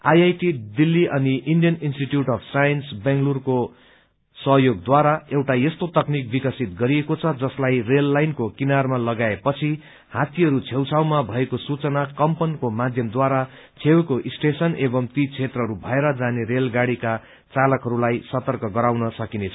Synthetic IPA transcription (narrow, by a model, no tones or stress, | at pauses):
ajajʈid̪ilːiʔʌniʔinɖijʌninsʈiʈjuʈʌpʰsajʌnsbeŋɡlurko | sʌɦjoɡ̚d̪waɾaewʈajest̪ot̪ʌknik̚bikʌsit̪̚ɡʌɾiekot͡sʰʌd͡zʌslajrelːajnkokinarmalʌɡaepʌt͡sʰi | hat̪iɦʌɾut͡sʰewt͡sʰawmabʱʌekosut͡sʌnakʌmpʌnkomad̪ʱjʌmd̪waɾa | t͡sʰewkoʔisʈesʌnebʌmt̪it͡sʰet̪rʌɦʌɾubʱʌeɾʌd͡zaneɾelɡaɽika | t͡salʌkɦʌɾulajsʌt̪ʌrkʌɡʌɾawnʌsʌkinet͡sʰʌ